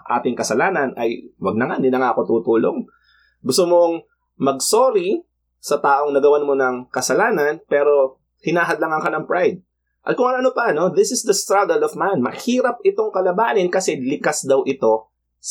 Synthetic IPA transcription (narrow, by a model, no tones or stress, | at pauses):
ʔa̰ːt̪ɪŋkɐsɐlaːnɐnʔɐjwɐɡ̚nɐŋanɪnɐŋaʔɐko̞t̪uːt̪uːlo̰ŋ | ɡʊst̪omoŋ | mɐɡsoːɾi | sɐt̪aːʔo̞ŋnɐɡɐwanmo̞nɐŋkɐsɐlaːnɐnpɛːɾo̞ | hɪnaːɦɐd̪lɐŋɐŋkɐnɐŋpɹajd̪̚ | ʔɐ̰t̪̚kʊŋɐŋʔɐnopɐɐno̞ðɪsɪsd̪ɐst̪ɾaɡɐlɔvmanmɐhiːɾɐp̚ɪt̪o̞ŋkɐlɐbaːnɪnkɐsɛlɪkasd̪ɐwʔɪt̪o̞ | s